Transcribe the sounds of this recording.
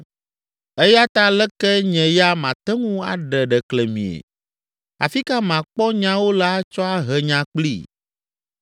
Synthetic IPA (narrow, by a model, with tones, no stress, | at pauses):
e˦ja˦t̪a˦lɛ˦kɛ˦ɲɛ̃˨ja˦mã˨t̪ɛ˦ŋũ˦a̰˨ɖɛ˨ɖɛ˨klɛ˨mḭ̃˨ḛ˨ | a̰˨fi˦ka˦mã˨k͡pɔ˦ɲã˦wo˦la˦t͡ʃɔ˦a˦ɦɛ˨ɲã˨k͡plḭ˦˨